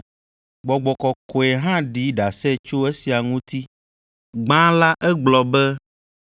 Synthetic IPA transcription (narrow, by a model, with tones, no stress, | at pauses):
ɡ͡bɔ˨ɡ͡bɔ˨kɔ˨ko˨e˨ɦã˦ɖi˦ɖa˨sɛ˦t͡ʃo˦e˦si˨a˨ŋũ˦t̪i˦ | ɡ͡bã˦la˦ʔɛ˦ɡ͡blɔ˨bɛ˦